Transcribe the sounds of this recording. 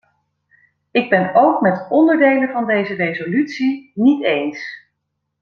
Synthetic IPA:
ɪɡ̚bɛnowkmɛtɔndəɹdejləvɑndejzərejzolytsinitejns

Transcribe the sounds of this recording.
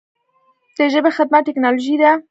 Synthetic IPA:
d̪̥əʒəbexɪd̪maʈɪknɑloʒid̪a

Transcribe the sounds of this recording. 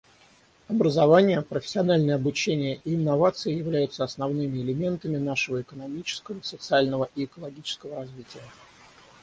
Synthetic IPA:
ɐbɾəzɐvanʲɪjəpɾəfʲɪ̥sʲɪɐnalʲnəjəɐbʊt͡ɕenʲɪjəʔiɪnːɐvat̪sɨjɪjɪvlʲæjʊt̪səɐsnɐvnɨmʲɪɪlʲɪmʲe̞nt̪əmʲɪnaʂɨvəɪkən̪ɐmʲit͡ɕɪ̥skəvəsət̪sɨalʲnəvəʔiɪkəlˠɐɡʲit͡ɕɪ̥skəvəɾɐzvʲitʲɪjə

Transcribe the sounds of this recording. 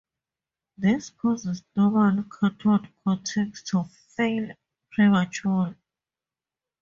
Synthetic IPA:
ðispʰɔzɛsd̥ɔvãnkʰatʰɔdkʰɔ̃tʰɛkstʰɔv | fel | pʰɹamat͡ʃual

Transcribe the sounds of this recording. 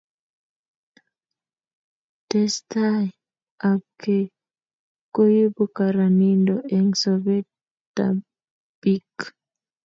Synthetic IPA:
tɛsta | ab̚kʰe | kojibukaɾanindoʔɛŋsɔvet | ta̰ | b̥ik

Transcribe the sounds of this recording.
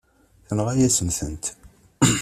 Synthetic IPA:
θənʁæjæsəmθənt̪

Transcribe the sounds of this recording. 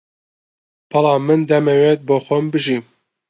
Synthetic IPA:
bɑlɑːmɨnd̪ɛmeweːt̪̚boːxʷombɨʒiːm

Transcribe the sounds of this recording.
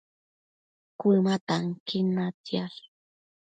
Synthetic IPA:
kʊmat̪aŋkɪnat͡sjal

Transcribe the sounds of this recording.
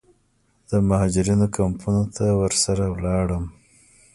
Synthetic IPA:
d̪̥əmahɑd͡ʒɪɾinokampʰunot̪ʰawəɾsaɾawlɑɽəm

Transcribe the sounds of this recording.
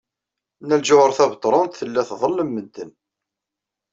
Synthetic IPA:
næld͡ʒʊʁəɾˤθæbt̪ˤːɾˤɑnt̪θəlːæθðˤəlːəmːəd̪ːən

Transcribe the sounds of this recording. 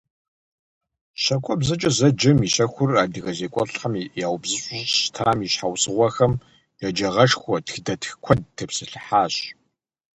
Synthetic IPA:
ɕɐkʷʰʼɔbzɐt͡ʃʼɐzɐd͡ʒɪmiɕɐxʷʊraːdɨɣɐzeːkʷʼɔɬħɐmjaːwbzɨɕʼʊɕtʰaːmiɕħawsɨʁʷɐxɐm | jad͡ʒɐʁɐʂxʷɔtxdɐtʰxkʷʰɔd̚tʰɨpsɨɬɨħaːɕ

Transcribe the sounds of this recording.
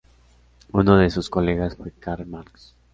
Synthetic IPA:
unoðe̞susko̞le̞ɣasfwe̞kaɾmaɾks

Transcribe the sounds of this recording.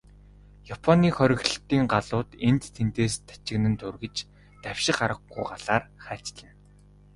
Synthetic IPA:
japʰɔniːχœɾʲɪ̆ɣɮ̆ɬt̪iːŋɢaɮʊːt̪ent̪t̪ʰent̪eːst̪ʰḁt͡ɕɪ̆knɘ̆nt̪ʰɵrɣɘ̆t͡ɕ | t̪æw̥ʲʃɪ̆χaɾə̆ɡɡujɢaɮaːrχæːt͡ɕɮə̆n

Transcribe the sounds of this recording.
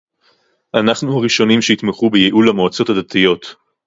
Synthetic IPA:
ʔanaχnuaʁiʃo̞nimʃeit̪meχubejeʔulamo̞at͡so̞thadat̪ijo̞t̪

